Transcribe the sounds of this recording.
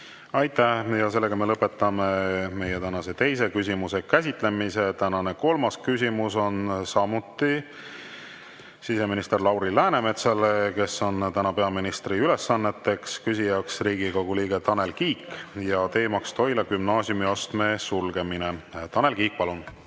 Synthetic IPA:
ɑjt̪ːˑæhjɑse̞lːeɡɑme̞lɤpːˑe̞t̪ːɑme̞me̞jet̪ænɑse̞t̪e̞js̬e̞kysʲimuse̞kæs̬ʲit̪ˑle̞mise̞t̪ænɑne̞ko̞lmɑskysʲimuso̞nsɑmut̪ːˑi | sise̞minist̪e̞rlɑwɾilæːne̞me̞t̪sɑleke̞so̞nt̪ænɑpeɑminist̪riyle̞sːɑnːe̞t̪ːe̞kskysʲijɑksriːɡiko̞ɡuliːɡ̥e̞t̪ɑne̞lkiːkːjɑt̪e̞ːmɑkst̪o̞jlɑkymnɑːsiumiost̪me̞sulɡ̥e̞mine̞t̪ɑne̞lkiːk̚pɑlun

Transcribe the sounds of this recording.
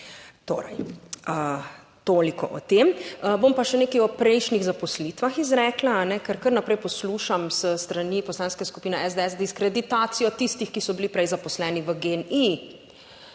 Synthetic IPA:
t̪o̰ːɾɛ̰jə | t̪oːlikɔ̰ʔɔ̰t̪eməbompaʃɛneːkɐjɔpɾɛjʃniɣzapɔslit̪ʋaxizɾɛːklaːnɛkəɾkəɾnapɾɛjpɔsluʃamsəst̪ɾanipɔslaːnskɛskupiːnɛʔɛzd̪eɛsd̪iskɾɛd̪it̪aːt̪sijɔt̪ist̪ixkisɔbilipɾɛjzapɔslɛːniʋəɡeni

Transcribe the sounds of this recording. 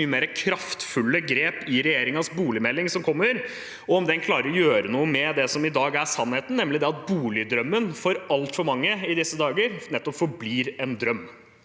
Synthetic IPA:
yːəmeːɾəkʰɾɑft̪fʉlːəɡɾeːpɪɾɛjeːɾɪŋɑsbuːlɪmɛlːɪŋsɔmkʰɔmːəɾ | ɔɔmd̪ɛnkʰlɑːɾəɾɔjøːɾənuːəmɛd̪ɛsɔmɪd̪ɑːɡæsɑnheːt̪nnɛmːlɪd̪ɛɑt̪̚buːlɪd̪ɾœmːənfɔɾɑlt̪fɔɾmɑŋːəɪd̪ɪsːəd̪ɑːɡəɾnɛt̪ːɔpfɔbliːɾɛnd̪ɾœmː

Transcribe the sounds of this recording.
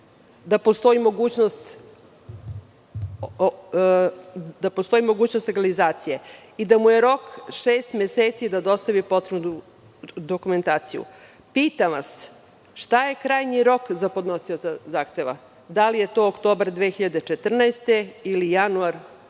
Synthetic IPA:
d̪apost̪o̞imo̞ɡuːt͡ɕnost̪ | d̪apost̪o̞imo̞ɡuːt͡ɕnost̪leɡalizaːt̪sije̞ | id̪amuje̞ɾo̞kʃeːst̪mʲeseːt̪sid̪ad̪o̞st̪aʋipo̞t̪ɾenuu | d̪o̞kume̞nt̪aːt̪sijṵ | piːt̪amʋas | ʃt̪aje̞kɾaːjɲiɾo̞kzapod̪no̞siozazaːxt̪e̞ʋa̰ | d̪alije̞t̪o̞ːokt̪o̞ːbaɾd̪ʋexiʎad̪e̞t͡ʃe̞t̪r̩naest̪e̞ilijanuaɾ

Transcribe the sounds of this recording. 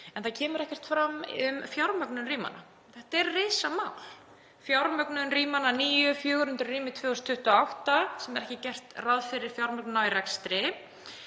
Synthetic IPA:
ɛnθaðcʰɛːmʏɾɛhcɛr̥t̪fɾamːʏmfjawɾmœknʏnriːma̰na̰ | θɛht̪ɛɾrɪːsamaːwl | fjawɾmœknʏnriːmananiːjʏfjœːɣʏhʏnt̪ɾʏriːmɪt̪ʰvɛːɔst̪ʰʏht̪ʏɔawht̪asɛmɛɾɛhcɪcɛr̥t̪raðfɪɾɪɾ̥fjawɾmœk̚nnaiɾɛkst̪ɾɪ

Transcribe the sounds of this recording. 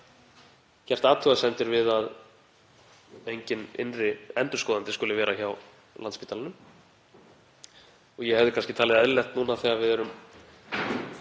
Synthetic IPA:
cɛr̥t̪aːt̪ʰʏasɛnt̪ʏɾvɪðað | ejɲcɪnɪ̰nrɪɛnt̪ʏ̥ɾ̥kɔːðant̪ɪskʏlɪvɛːɾaçaw | lant̪spiːt̪alanʏm | ɔɣjɛhɛvðɪkʰanscɪt̪ʰaːlɪðɛðlɛxt̪nuːnaθɛɣavɪðɛɾʏm

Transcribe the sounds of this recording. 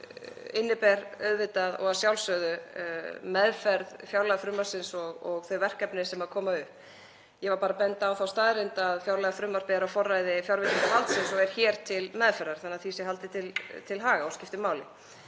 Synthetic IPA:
ɪnːɪpɛɾœɥðvɪt̪aðɔ̰ɣaðsjawlsœðʏ | mɛðfɛɾðfjawɾlajɣafɾʏmːḁsɪnsɔɣɔɣθœɥvɛr̥kɛpnɪsɛmaðkʰɔːmaʏp | jɛvaɾpaːɾapɛnt̪aːwθawst̪aːðɾɪnt̪aðfjawɾlajɣafɾʏːmːaɾ̥pɪðaɾafɔrːajðɪfjawɾvɪt̪ɪnahalt̪sɪnsɔɣɛɾ̥çɛːɾ̥t̪ʰɪlmɛðfɛɾːaɾ̥θanːaðθisɪɦalt̪ɪt̪ʰɪlt̪ʰɪlɦaːɣaɔwscɪft̪ɪmaːwlɪ̰

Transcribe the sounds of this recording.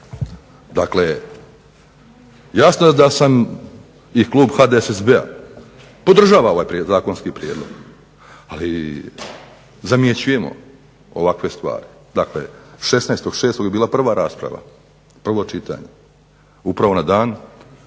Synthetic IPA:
d̪akle | jasnod̪asam | ikluːbxad̪esesbea̰ | po̞d̪r̩ʒaːʋao̞ʋaːjpɾezaːko̞nskipɾjeːd̪lˠo̞̰ɡ | ali | zamjet͡ɕuje̞mo̞̰ | oʋakʋe̞st̪ʋa̰ːɾid̪aklḛʃe̞snajst̪o̞ɡ̥ʃe̞ːst̪oɡjebiːlˠapr̩ʋaɾaːspɾa̰ʋa̰ | pr̩ʋo̞t͡ʃit̪a̰ːɲe̞ | upɾaʋo̞nad̪aːn

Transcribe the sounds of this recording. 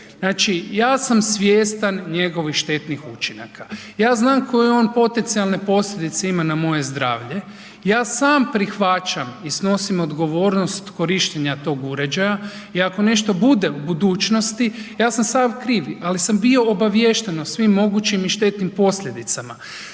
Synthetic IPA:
znaːt͡ʃijaːsamsʋjeːst̪anɲe̞ɡo̞ʋixʃt̪e̞t̪nixut͡ʃinakajaːznaːmkʰo̞jeo̞npo̞t̪e̞nt̪sialne̞po̞slʎʲed̪it̪seimanamo̞je̞zd̪ɾaːʋʎe̞ | jaːsaːmpɾixʋat͡ʃamisno̞simo̞d̪ɡo̞ʋo̞ːɾno̞st̪ko̞ɾiʃt̪eɲat̪o̞ːɡuɾe̞d͡ʒaja | iako̞ne̞ʃt̪o̞bud̪eubud̪uːt͡ʃno̞st̪ijaːsamsaːmkɾiːʋalisambio̞obaʋjeʃt̪e̞nosʋimːo̞ɡut͡ʃimiʃt̪e̞t̪nimpo̞slʎʲe̞d̪it̪sama

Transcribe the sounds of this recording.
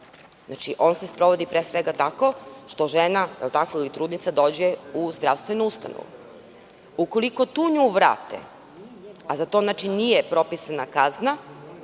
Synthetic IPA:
zna̰t͡ʃiʔo̞ːnsespɾo̞ʋod̪ipɾesʋeɡat̪ako̞ʃt̪o̞ʒenajelˠt̪akoilit̪ɾuːd̪nit̪sad̪o̞ːd͡ʑeuzd̪ɾaʋst̪ʋenuust̪a̰no̰ʋṵ | uko̞liko̞t̪uːɲuːʋɾa̰ːt̪ḛ | azat̪oznat͡ʃinijepɾo̞pisanakazna

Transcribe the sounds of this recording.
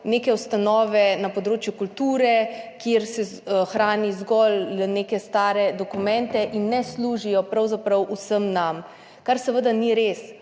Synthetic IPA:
neːkɛwst̪anɔːʋɛnapɔd̪ɾoːt͡ʃjukult̪uːɾɛkjeɾsɛ | xɾaːnizɡɔlneːkɛst̪aːɾɛd̪ɔkumɛ̃nt̪ɛʔinːɛsluːʒijɔpɾawzapɾɐwusəmnam | kaɾsɛʋəd̪aniɾeːs

